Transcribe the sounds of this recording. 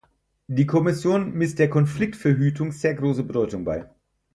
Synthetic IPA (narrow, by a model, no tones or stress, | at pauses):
d̥iːkʰɔmɪsjoːnmɪst̚d̥eːɐkʰɔnflɪk̚tfɛɐɦyːtʰʊŋz̥eːɐɡʁoːsəbədɔʏtʊŋba̰ɪ